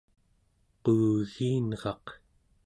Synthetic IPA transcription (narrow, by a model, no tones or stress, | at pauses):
quːɣiːnʁɑq